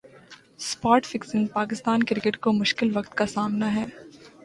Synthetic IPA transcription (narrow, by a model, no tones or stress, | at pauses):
spaːɾʈfɪksə̃npaːkɪst̪aːnkɪɾɪkeʈkomʊʃkɪlʋɐkt̪kasaːmnaɦɛː